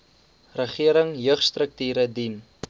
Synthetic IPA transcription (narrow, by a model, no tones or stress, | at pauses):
rəχiəɾəŋjøːχstrək̚tyːɾədin